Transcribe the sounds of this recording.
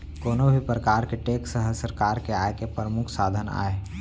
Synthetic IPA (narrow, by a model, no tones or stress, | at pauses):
koːnobʱipɾəkaːɾkeʈeːksəɦəsəɾkaːɾkeaːekepɾəmʊkʰsaːd̪ʱəna̰ːe